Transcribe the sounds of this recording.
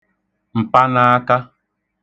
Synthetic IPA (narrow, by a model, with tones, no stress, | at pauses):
m̩˨pa˦na˦a˦ka˦